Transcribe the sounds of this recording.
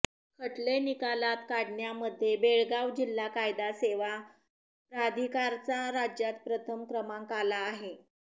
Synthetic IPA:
kʰəʈlenikalat̪kaɽɳjaməd̪ʱːjebeɭɡawd͡ʑilːakajd̪aseʋa | pɾad̪ʱikaɾt͡saɾad͡ʑjat̪̚pɾət̪ʰəmkɾəmaŋkalaːɦe

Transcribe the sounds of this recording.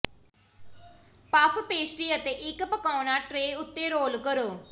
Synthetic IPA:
paːpʰpeːsʈiːət̪eːʔɪkpəkaːnaːʈɾeːʊt̪ːeːɾoːlkəɾoː

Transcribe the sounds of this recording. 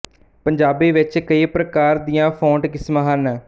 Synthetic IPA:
pəɲd͡ʒaːbiːʋɪt͡ʃkəiːpɾəkaːɾd̪iːãːpʰõːʈkɪsmãːɦənɛː

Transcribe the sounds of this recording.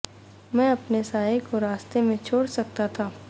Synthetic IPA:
mɛ̃ːɐpnesaːjekoɾaːst̪emẽt͡ʃʰoːɽsɐk̚t̪at̪ʰaː

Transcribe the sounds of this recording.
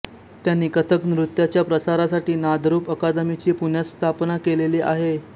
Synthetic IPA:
t̪janːikət̪ʰəknɾut̪jat͡ɕjapɾəsaɾasaʈiːnad̪ʱɾuːpəkad̪əmit͡ɕiːpuɳ̤jast̪ʰapnakeleliʔaɦe

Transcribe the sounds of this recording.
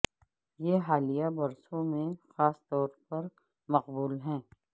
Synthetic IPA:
jeːɦaːlijabɐɾsõmẽxaːst̪ɔːɾpɐɾ | mɐqbuːlɦɛ̃ː

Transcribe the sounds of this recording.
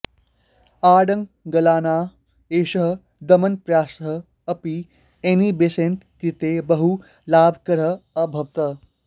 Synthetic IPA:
aːɽɐŋ | ɡɐlaːnaː | eːʃəɦ | d̪ɐmɐnpɾjaːsɦə | ɐpi | enibesẽnt̪kɾit̪ebɐɦu | laːbʱkɐɾəɐbʱɐʋt̪ɐ

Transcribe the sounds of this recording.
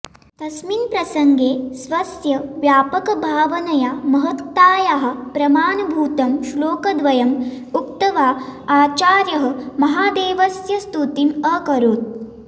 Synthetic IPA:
t̪ɐsminpɾɐsɐŋɡeːsʋɐsjɐʋjaːpɐkɐbʱaːʋɐnɐjaːmɐɦɐt̪ːaːjaɦɐ̆pɾɐmaːnɐbʱuːt̪ɐmʃloːkɐd̪ʋɐjɐm | uk̚t̪ɐʋaːaːt͡ʃaːɾjɐɦɐ̆mɐɦaːd̪eːʋɐsjɐst̪ut̪imɐkɐɾoːt̪̚

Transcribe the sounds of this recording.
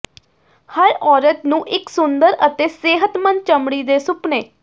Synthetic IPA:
həɾɔːɾət̪nũːʔɪksʊnd̪əɾət̪eːseːɦət̪mənt͡ʃəmɽiːd̪eːsʊpneː

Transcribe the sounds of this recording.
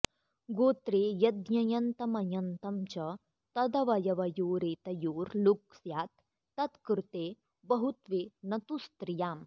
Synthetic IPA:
ɡoːt̪ɾeːjɐd̪ɲɐjɐnt̪ɐmɐjɐnt̪ɐmt͡ʃɐ | t̪ɐd̪ɐʋɐjɐʋɐjoːɾeːt̪ɐjoːɾluksjaːt̪ː | ɐt̪kɾut̪eː | bɐɦut̪ʋeːnɐt̪ust̪ɾijaːm

